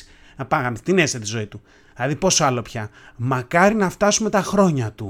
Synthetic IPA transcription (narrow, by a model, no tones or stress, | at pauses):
nɐpɐɣɐnst̪inesɐt̪izo̞it̪u | lɐðipo̞soɐlo̞pçɐmɐkɐɾinɐft̪ɐsume̞t̪ɐxɾo̞ɲɐt̪u